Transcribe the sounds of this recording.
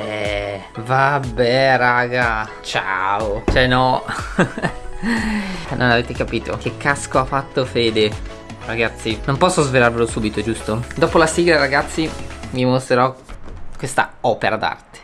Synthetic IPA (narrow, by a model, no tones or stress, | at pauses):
ɛ | vabɛɾaːɡa | t͡ʃa̰ot͡ʃɛnɔ | nʔo̰naveːt̪ekapiːt̪ʰo̰k̟ekːaskoafːat̪ːofeːd̪e | raɡat̪sːinompɔsːozvelarvelosuːbit̪od͡ʒust̪od̪ɔːpolasiːɡlaɾaɡat̪sːimimost̪ɾeɾɔkːwest̪a̰ɔːpeɾad̪a̰rt̪e̥